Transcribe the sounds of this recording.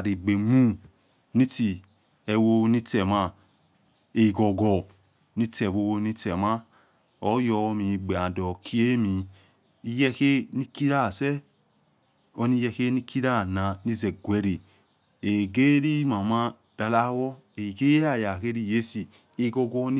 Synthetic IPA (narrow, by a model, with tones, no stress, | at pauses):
a˨ɾi˨ɡ͡be˨mũ˦ | ni˦ti˨ | e˨wo˧ni˦tɛ˨ma˧ | e˨ɡɔ˨ɡɔ˨ | ni˦tɛ˨βo˧wni˦tɛ˨ma˦ | o˨˦jɔ˧mĩ˨ɡ͡be˨a˨dɔ˨kʰi˦e˦mi˨ | i˦jɛ˦ke˦ni˦ki˦ɾa˦˨sɛ˦ | o˧ni˦jɛ˧ke˦ni˦ki˦ɾa˦˨na˨ni˦ze˨ɡʷe˨˦ɾe˨ | e˨ɡe˦ɾi˦ma˨ma˦ | da˨˧la˦wɔ˦ | e˨ɡe˦a˦˨ja˨ke˦ɾi˦˨je˦si˨ | e˨ɡɔ˧ɡɔ˧˦n˦